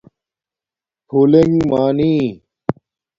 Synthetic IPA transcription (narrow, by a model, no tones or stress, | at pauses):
pʰuːleŋɡmaːniː